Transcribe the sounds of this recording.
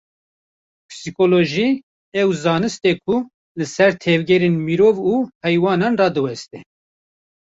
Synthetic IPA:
pʰɨ̥sikoloʒi | ɛwzɑːnɨst̪ɛkʰu | lɨsɛɾt̪ʰɛvɡɛɾeːnmiɾoːvuhɛjwɑːnɑːnrɑːd̪ɨwɛst̪ɛ

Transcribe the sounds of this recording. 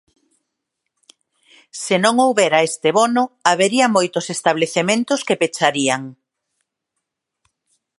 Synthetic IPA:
senõŋowβeɾaest̪eβɔnʊaβeɾiɐmojt̪ʊsest̪aβ̞leθemẽnt̪ʊskepet͡ʃaɾiaŋ

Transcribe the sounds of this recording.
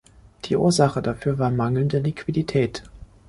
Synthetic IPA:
d̥iːʔṵːɐzaχədafyːɐvaːɐmaŋl̩ndəlikv̥iditʰɛːt

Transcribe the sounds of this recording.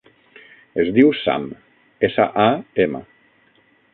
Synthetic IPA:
ezd̪iwsa̰m | esa̰ʔaemə̰

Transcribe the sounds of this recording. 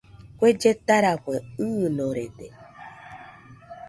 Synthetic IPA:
kʷed͡ʒet̪aɾakeɨnõɾed̪e

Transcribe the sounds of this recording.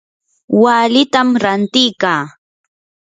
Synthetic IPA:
walɪt̪amɾant̪ɪjkaː

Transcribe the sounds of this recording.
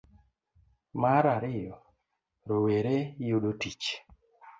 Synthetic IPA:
maɾaɾɪjɔ | ɾoweɾejuɗotit͡ʃ

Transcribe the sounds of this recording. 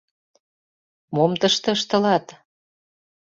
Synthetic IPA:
momt̪əʃt̪ɤ̆əʃt̪ə̆lɑt̪

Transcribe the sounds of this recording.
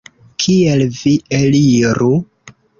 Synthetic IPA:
kʰielvieliɾu

